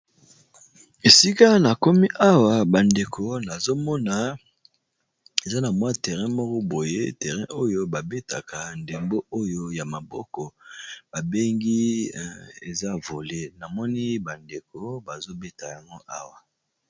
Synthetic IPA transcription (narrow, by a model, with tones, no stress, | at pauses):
e˨si˦ka˦na˨ko˦mi˦ʔa˦wa˨ba˨nde˨kʰo˨na˨zo˦mɔ˦na˨ | e˨za˦na˨mwa˦tɛ˨ʁɛ̃˦mɔ˦kɔ˦bo˨jḛ˦tɛ˨ʁɛ̰̃˦ʔo˦jo˦ba˨be˦ta˨ka˨nde˨mbo˦o˦jo˦ja˨ma˨bɔ˦kɔ˨b̥a˨be˦ŋɡi˦ | e˨za˦vo˨le˦na˨mɔ˦ni˦ba˨nde˨ko˦ba˨zo˦be˦ta˨ja˨ŋɡo˦ʔa˦wa˨